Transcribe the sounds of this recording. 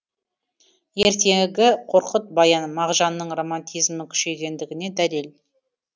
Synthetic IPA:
je̞ɾt̪e̞ɡʲɪqʰo̞ɾqət̪̚bɑjɑnmɑʁʒɑnːəɴro̞mant̪ʲijzmɪkʲʰʏ̥ʃe̞ɡʲe̞nd̪ɪɡʲɪne̞d̪æle̞l

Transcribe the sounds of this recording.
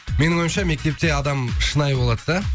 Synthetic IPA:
me̞nɪŋwo̞jmʃɑme̞k̚t̪e̞p̚t̪e̞ɑd̪ɑmʃənɑjbolˠɑd̪əd̪ɑ

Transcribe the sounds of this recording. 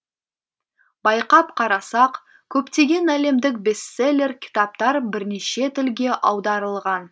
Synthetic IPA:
bɑjqɑpqʰɑɾɑsɑq | kʲʰɵpt̪e̞ɡʲe̞næle̞md̪ɪk̚be̞st̪se̞lʲe̞rkʲʰɪ̥t̪ɑp̚t̪ɑɾbɪɾne̞ʃe̞t̪ʰɪlɡʲe̞ʔɑwd̪ɑɾəlˠʁɑn

